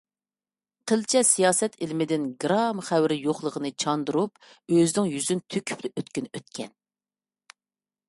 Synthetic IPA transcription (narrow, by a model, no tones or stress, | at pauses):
qʰəlt͡ʃʰɛsijɑːsɛt̪ʰɪlmɪd̪ɪnɡɾɑmχæwɾɪjoχlˠəʁənɨt͡ʃʰɑnd̪ɨɾup | øzɪnɪŋjyzynt̪ʰøkʲʰy̥plɪʔøt̪kʲynøt̪̚kʲʰɛn